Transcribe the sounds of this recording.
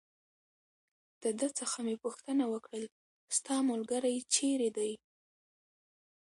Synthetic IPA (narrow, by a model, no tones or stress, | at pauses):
d̪̥əd̪ət͡səxamepuxt̪ənawəkɽəl | st̪ɑmʊlɡaɾajt͡ʃeɾed̪aj